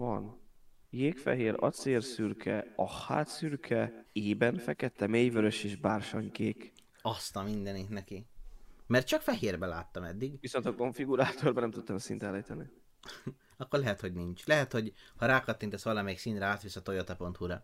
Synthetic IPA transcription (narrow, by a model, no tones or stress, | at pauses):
vɒ̰n | jeːkfɛ̰ɦeːɾɒ̰t̪seːrsyrkʰɛɒha̰ːt̪syrkʰɛeːbɛnfɛkɛt̪ːɛmeːjvøɾøʃeːʒbaːrʃoɲkeːk | ɒst̪ɒmind̪ɛniknɛkimɛrt̪̚t͡ʃɒkfɛɦeːrbɛla̰ːt̪ːɒmɛ̰d̪ːiɡvisont̪ɒko̞ɱfiɡuɾaːt̪orbɒnɛmt̪ut̪ːɒmsḭnt̪ɛnlɛjt̪ɛni | ɒkːorlɛɦɛt̪ho̞ɟnint͡ʃlɛɦɛt̪ho̞ɟhɒɾaːkɒt̪ːint̪ɛsʋɒlɒmɛiksint̪ɾaːt̪ʋisɒt̪ojot̪ɒpo̞nt̪huɾɒ